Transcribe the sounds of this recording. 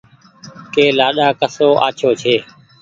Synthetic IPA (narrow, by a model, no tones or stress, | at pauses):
keːlaːɗaːkəsoːʔa̰ːt͡ʃʰoːt͡ʃʰeː